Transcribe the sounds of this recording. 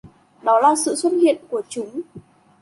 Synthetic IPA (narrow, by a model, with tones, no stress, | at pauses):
ɗɔ˨˦laː˨˩sɨ̰˧˨swə˦˥t̚hḭ˧˨ənku˧˩ət͡ɕʊ˨˦ŋ͡m